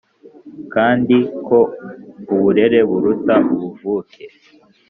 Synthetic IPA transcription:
kaːndiko̞uβuɾe̞ɾe̞βuɾutaβuvuːkʰe

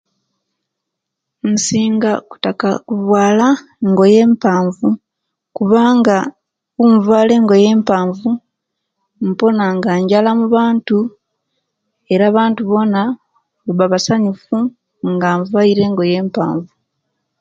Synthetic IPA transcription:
nsiːŋɡaku̥taka̰kuβwaːla | ŋɡo̞je̞ːmpaːɱvu | kuβaːŋɡa | uɱvwaːle̞ːŋɡo̞je̞ːmpaːɱvu | mpo̞naŋɡaːɲɟalamuβaːntu | e̞ɾaːβaːntuβo̞na | βoβaβasaɲifu | ŋɡaːɱvaiɾe̞ːŋɡo̞je̞ːmpa̰ːɱvu

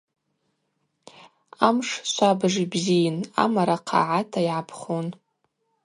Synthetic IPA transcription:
amʂʃʷabʐibzijɪna̰maɾaqʰa̰ʕatʰaiʕapʰχon

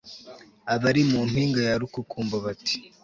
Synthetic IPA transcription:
aβaɾimuːn̥huiːŋɡajaɾukukuːmbaβati̥

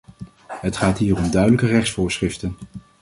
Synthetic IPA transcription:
ɦətχaːtɦiːrɔmdœɥdələkərɛχsfʊːɹsχrɪftən

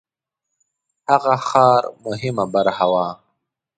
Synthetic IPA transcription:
haɣaxɑːɾmʊɦɪmabaɾhawɑː

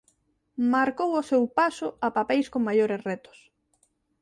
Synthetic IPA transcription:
maɾkowosewpasʊapapejskoŋmajoɾesrɛt̪ʊ̥s

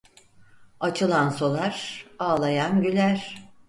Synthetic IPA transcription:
at͡ʃʰɯlˠansolˠaɾ̥aːlˠajanɟylʲæɾ̥

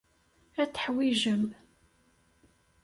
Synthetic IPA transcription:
æt͡sːə̥ħwiʒəm

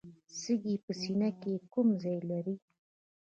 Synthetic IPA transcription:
səɡipəsinakekumzɑjlaɾi

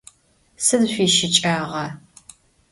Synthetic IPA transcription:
sɨzɕʷiːʃɪt͡ʃʼaːʁɐ

